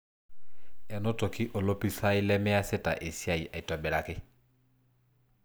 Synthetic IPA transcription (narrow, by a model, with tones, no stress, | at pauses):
ɛ˨no˦tɔ˨ki˦ʔo˨lo˦pi˦sa˦i˦lɛ˦mɛ˦a˦sɪ˦ta̰˨ʔe˨sja˦i˨ʔa˨i˨ta˨bɛ˨ɾa˨kɪ˦